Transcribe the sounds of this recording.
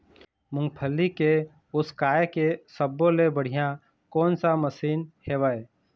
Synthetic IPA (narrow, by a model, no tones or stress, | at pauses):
mʊ̃ŋɡpʰəlːike | ʊskaːekesəbːolebəɽ̤ijã | kɔːnsaməsiːnheːʋəːe